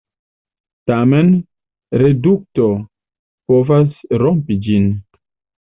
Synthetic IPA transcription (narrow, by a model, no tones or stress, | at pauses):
tamen | ɾeduk̚to | povasɾompid͡ʒin